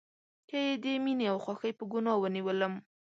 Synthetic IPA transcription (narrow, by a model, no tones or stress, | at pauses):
kəjed̪emineawxwɑxəjpəɡʊnɑwəniwələm